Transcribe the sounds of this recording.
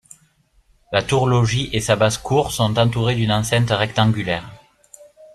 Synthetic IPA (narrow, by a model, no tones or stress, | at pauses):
lat̪uʁlɔʒiʔesabazkʰuʁsɔ̃t̪ɑ̃t̪uʁed̪ynɑ̃sɛ̃nt̪əʁɛk̚t̪ɑ̃ŋɡʲylɛʁ